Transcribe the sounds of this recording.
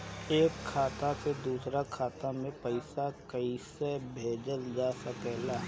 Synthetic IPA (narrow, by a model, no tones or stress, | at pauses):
eːkʰːaːt̪ased̪uːsɾakʰaːt̪amẽpɐɪsakɐisebʱeːd͡ʒəld͡ʒaːsɐkɛːlaɦ